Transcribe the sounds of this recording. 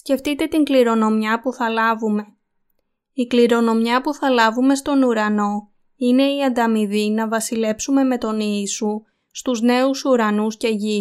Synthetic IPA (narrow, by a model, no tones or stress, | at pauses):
sce̞ft̪it̪e̞t̪iŋɡliɾo̞no̞mɲɐpuθɐlɐvume̞ | ikliɾo̞no̞mɲɐpuθɐlɐvume̞st̪o̞nuɾɐno̞ | ine̞iɐnd̪ɐmiðinɐvɐsile̞psume̞me̞t̪o̞niisu | st̪uzne̞usuɾɐnusce̞ʝi